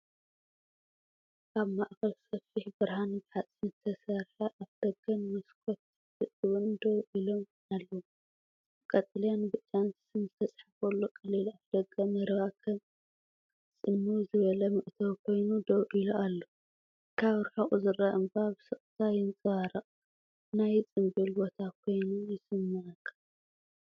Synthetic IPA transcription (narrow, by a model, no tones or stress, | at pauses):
kʰaβmaʔkɐlsɐfiħbɨɾhanbɨħat͡sʼint̪ʰɐsɐɾħɐʔaβd̪̥ɐɡɐnmɐskʰot̪ | ɨʔʼɨβɨnd̪owʔilo̞m | alːɐwu | kʼɐt̪ʼɐljanbɨt͡ʃʼːansɨnzɨt̪ʰɐt͡sʼħafɐlːokʼɐlilaβd̪̥ɐɡɐmɨɾβakʰɐn | t͡sʼɨmːuzɨβɐlɐmɨʔt̪ʰɐwkʰo̞jnud̪owʔiluʔalːo | kʰaβɾħɐχʼuzɨɾɐʔɨmbaβsɨχʼt̪ʰajɪnt͡sʼɨβaɾɐqʼ | najt͡sʼɨmbilbo̞t̪ʰakʰo̞jnujɪsɨmːaʕɨkʰːḁ